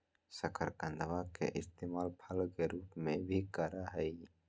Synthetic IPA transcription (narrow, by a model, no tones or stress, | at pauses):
səkʰəɾkə̃nd̪ʋakḛʔɪst̪eːmaːlpʰəlkeɾuːpmẽbʱikəɾaɦɛi